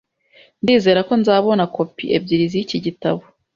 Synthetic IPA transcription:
ndiːze̞ːɾako̞nzaːβo̞nako̞pḭʔḛb̚ɟiɾizijiciɟitaβo

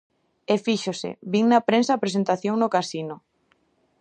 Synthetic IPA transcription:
efiʃosɪ̰βiŋnapɾẽnsaːpɾesent̪aθjoŋnokasinʊ

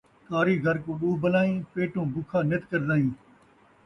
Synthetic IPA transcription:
t̪aːɾiːɡʱəɾkõːɓuːbəlaːĩːpeːʈõːbʊkʰãːnet̪kəɾd̪aːĩː

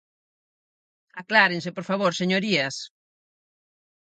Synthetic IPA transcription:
aklaɾeŋsepoɾfaβ̞oɾseɲoɾiɐs

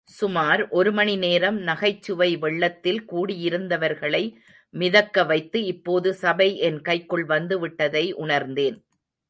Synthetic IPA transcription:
sʊmaːɾʔɔɾɯmɐɳineːɾɐmnɐɣɐɪt͡ʃːɯʋɐɪʋɛɭːɐt̪ːɪlkuːɽɪjɪɾɯnd̪ɐʋɐɾɣɐɭɐɪ | mɪðɐkːɐʋɐɪt̪ːɯɪpːoːðɯsɐbɐɪʔɛnkɐɪkːɯɭʋɐnd̪ɯʋɪʈːɐðɐɪʔʊɳɐɾnd̪eːn

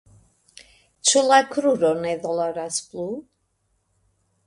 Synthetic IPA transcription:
tʰulˠakʰɾuɾɔneðɔlˠaɾasb̥lˠuː

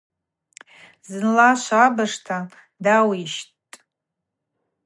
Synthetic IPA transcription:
zɨnlaʃʷaabaʂtʰa | dawiʃ | tʼ

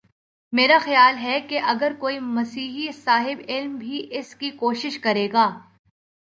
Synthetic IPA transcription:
meːɾaxɐjaːlɦɛkeʔɐɡəɾkoːimɐsiːɦisaːɦɪbɪlmbʱiʔɪskikoːʃɪʃkɐɾeːɡaː

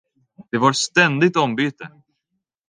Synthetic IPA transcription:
d̪̥ɛvaɾst̪ɛnd̪ɪɡ̚t̪ɔmbyːt̪ə

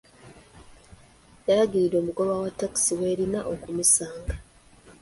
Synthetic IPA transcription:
jaɾaɡiɾido̞ːmuɡo̞βawatːaki̥siwe̞ːɾinaʔokumisaːŋɡa

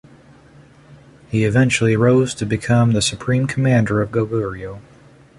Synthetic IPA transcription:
hiɨvɛ̃nt͡ʃl̩ˠiɹoʊz̥tʰɨbɨkʰʌ̃mðɨsɨpʰɹ̥ĩmkʰəmæ̃ndə˞ʌvɡoʊɡʊɹioʊ

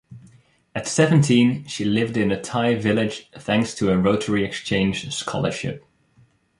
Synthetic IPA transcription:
ɨtsɛvə̃n̩tʰĩnʃilɪvdɨ̃nɨtʰaɪvɪlˠɪd̥ʒ̥θæ̃ŋkstʰəəɹoʊɾʰə˞iɨkst͡ʃʰẽɪ̃nd͡ʒ̥skʰɑ̰lˠə̰˞ʃɪ̰p̚

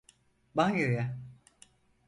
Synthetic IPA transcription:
baŋjoja

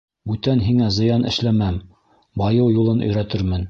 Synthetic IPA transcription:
bʉt̪ænɦiŋæzɤ̆jɑnɘ̰̆ʃlæmæm | bɑjɤwjulˠɤnʔɵ̆jɾæt̪ɘɾmɘn

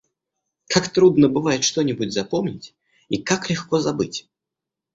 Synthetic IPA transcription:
kakt̪ɾud̪nəbɨvajʲʂt̪ɔnʲɪbudʲzapɔmnʲɪt͡sʲ | ikaklʲɪxkɔzabɨt͡sʲ

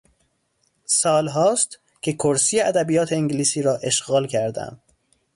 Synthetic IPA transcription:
sɒːlɦɒːst̪ | cʰe̞kʰoɾsiːeʔæd̪æbijɒːt̪ʰeeŋɟliːsiːɾɒːʔe̞ʃɣɒːlcʰæɾd̪æ̰m

